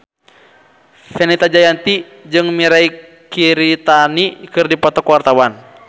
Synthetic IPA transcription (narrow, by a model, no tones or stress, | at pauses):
fɛnɛt̪ad͡ʒajant̪i | d͡ʒɨŋmiɾai | kiɾit̪anikɨrdipɔt̪ɔkwart̪awan